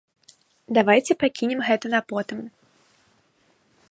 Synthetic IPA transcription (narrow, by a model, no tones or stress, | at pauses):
d̪avajt͡sʲɛpakʲinʲɛmɣɛt̪ɐnɐpɔt̪ɨm